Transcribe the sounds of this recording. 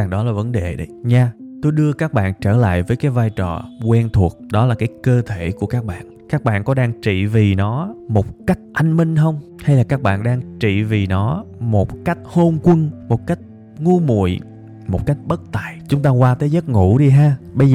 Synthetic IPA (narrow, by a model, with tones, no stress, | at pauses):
a˨˩ŋɗɔ˨˦laː˨˩və˨˦nɗe˨˩ɗə˨˦jɲaː˧t̪o˧jɗɨ˧əkaː˦˥k̚ɓa̰ː˧˨nt͡ɕəː˧˩la̰ː˧˨jvəː˨˦jkaː˨˦jvaː˧jt͡ɕɔ˨˩kwɛ˧nt̪ʰu˨˩ət̚ɗɔ˨˦laː˨˩kaː˨˦jkəː˧t̪ʰe˧˩ku˧˩əkaː˦˥k̚ɓa̰ː˧˨nkaː˦˥k̚ɓa̰ː˧˨nkɔ˨˦ɗaː˧ŋt͡ɕḭ˧˨vi˨˩nɔ˨˦mo˨˩t̚ka˦˥jk̟̚ʔa˧jŋmï˧ŋ̟ɦə˧wŋ͡m | ha˧jlaː˨˩kaː˦˥k̚ɓa̰ː˧˨nɗaː˧ŋt͡ɕḭ˧˨vi˨˩nɔ˨˦mo˨˩t̚ka˦˥jk̟̚ho˧nkwə˧ŋmo˨˩t̚ka˦˥jk̟̚ | ŋu˧mṵ˧˩˨j | mo˨˩t̚ka˦˥jk̟̚ɓə˦˥t̚t̪a̰ː˧˨jt͡ɕʊ˨˦ŋ͡mt̪aː˧kwaː˧t̪əː˨˦jzə˦˥t̚ŋṵ˧˩ɗi˧ɦaː˧ɓə˧jz